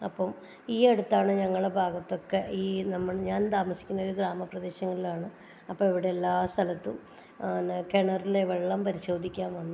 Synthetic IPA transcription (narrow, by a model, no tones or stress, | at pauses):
ɐ̰pːɐm | iːeɽut̪ːaːɳɨɲɐŋːɐɭɖebʱaːɡɐt̪ːo̞kːeʔiːnɐmːɐɭɲaːnt̪aːmɐsi̥kʲːunːɐoɾuɡɾaːmɐprɐd̪eːɕɐŋːɐlilaːɳɨ | ɐpːomiʋiɽeelːaːst̪ʰɐlɐt̪ːum | nkeɳɐrileʋeɭːɐmpɐɾiɕo̞ːd̪ʱikʲːaːnʋɐnːu